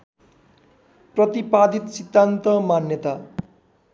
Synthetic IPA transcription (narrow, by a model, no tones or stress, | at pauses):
prʌt̪ipad̪ʱit̪sid̪ːant̪ʌmanjʌt̪a